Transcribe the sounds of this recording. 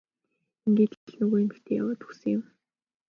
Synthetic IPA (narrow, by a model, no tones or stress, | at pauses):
iŋɡeːt̪̆ɮnɵɣoːjɪmixt̪ʰeːja̰waːt̪u̥xsɘ̆ŋɪ̆m